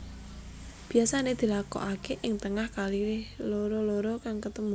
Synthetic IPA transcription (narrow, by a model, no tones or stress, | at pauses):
b̥i̤asaned̪̥i̤lakɔ̰ʔakeʔɪŋt̪əŋahkaliloɾɔloɾɔkaŋkət̪əmu